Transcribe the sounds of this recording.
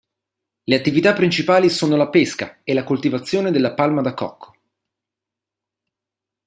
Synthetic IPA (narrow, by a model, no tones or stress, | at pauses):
leat̪ːivit̪apːɾint͡ʃipaːlisoːnolapeska̰elːakolt̪ivat̪sːjoːned̪elːapalmad̪akːɔ̰kʰːo̥